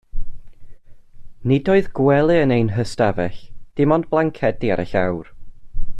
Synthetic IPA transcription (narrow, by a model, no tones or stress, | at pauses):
nɪdoɨðɡwɛlˠɨənejnɦəstavɛɬd̥ɪmɔndblˠaŋkʰɛdia̰ɾʔɛ̰ɬa̰wr